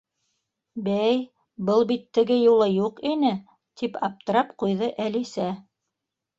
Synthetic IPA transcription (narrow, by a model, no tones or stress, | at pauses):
bæj | bɤlˠbit̪ːɘ̆ɡɘjulˠɤjuqinɘ | t̪ʰipɑp̚t̪ɤ̆ɾɑpqujðɤʔælisæ